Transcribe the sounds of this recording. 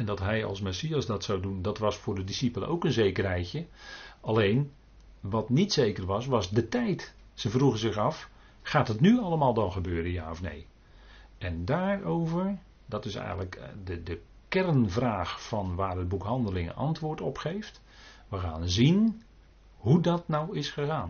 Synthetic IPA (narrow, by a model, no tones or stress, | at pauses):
ɛndɑtɦɛjɑ̰lˠsmɛsiasdɑtsawdundɑtʋɑsfʊːrdədisipələ̰nʔowkənzejkərɦɛjtjəalejn | ʋɑtnitsejkərʋɑsʋɑsdətɛjt | səvruɣənzɪɣɑf | χaːtɦətnyɑlˠəmaːlˠdɑnχəbøːɾənjaːɔfnḛj | ɛndaːɹowvəɹ | dɑtɪsɛ̰jɣələkdədə | kɛrnvraːxfɑnʋaːrɦəd̚bukɦɑndəlɪŋə̰nʔɑ̰ntʋʊːɹtɔpχejft | ʋəɣa̰ːnzin | ɦudɑtnawɪsχəɣaːn